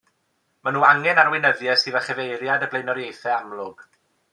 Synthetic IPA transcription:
manuːaŋɛnarwɪnəðjɛsɨːðəχɛvejɾjadəblejnɔɾjejθɛamlˠʊɡ̥

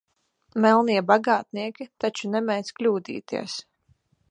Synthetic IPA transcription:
mɛlˠniɛbaɡaːt̪̚niɛkʲit̪at͡ʃunɛmɛj̪zklʲuːd̪ḭːt̪ḭɛs

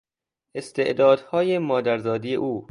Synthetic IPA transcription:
ʔest̪ʰe̞ʔd̪ɒːd̪hɒːjemɒːd̪æɾzɒːd̪ijḛʔuː

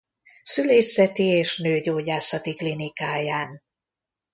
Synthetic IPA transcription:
syleːsɛt̪ieːʃnøːɟoːɟaːsɒt̪iklinikaːjaːn

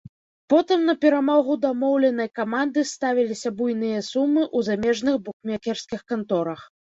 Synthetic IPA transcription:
pɔt̪ɨmnɐpʲɛɾamɔɣud̪amɔwlʲɛnɐjkamand̪ɨst̪avʲilʲisʲɐbujnɨjɐsumːɨʔuzamʲɛʐnɨxbukmʲakʲɛrskʲixkant̪ɔɾɐx

